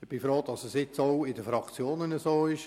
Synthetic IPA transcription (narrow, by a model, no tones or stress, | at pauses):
ɪb̥ɪfɾoːd̥ɑsəsɪt͡sowɪdəfɾɑkt͡sjoːnənəsoːɪʃ